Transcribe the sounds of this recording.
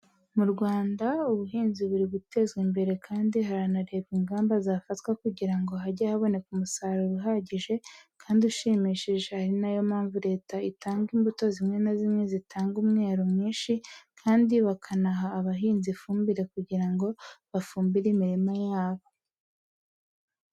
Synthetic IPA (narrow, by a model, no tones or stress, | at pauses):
muɾɡwaːndauβuɦiːnziβuɾibwute̞zɡwimbe̞ɾe̞kʰaːndiɦaɾanaɾeβiŋɡaːmbazaːfatkwakuɟiɾaŋɡo̞ɦaɟahaβo̞ne̞kumusaɾuɾuɦaɟiʒe̞kʰaːndiuʃiːmiʃiʒehaɾinajo̞maːɱvuɾe̞ːtaitaːŋɡimbuto̞zimŋe̞nazimŋe̞zitʰaːŋɡumŋe̞ːɾomŋiːnʃikʰaːndiβakʰanaɦaːβaɦiːnzifuːmbiɾe̞kuɟiɾaŋɡo̞βafuːmbiɾimiɾimajaːβo̞